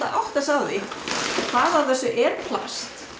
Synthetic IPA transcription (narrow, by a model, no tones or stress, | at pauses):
aʔawht̪asawðɪkʰvaːðavθɛsːʏʔɛɾpʰla̰st̪